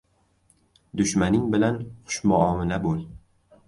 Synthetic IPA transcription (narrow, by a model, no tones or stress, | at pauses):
d̪ʊʃmanɪŋbɪlanχʊ̥ʃmʊɒmɪlabolˠ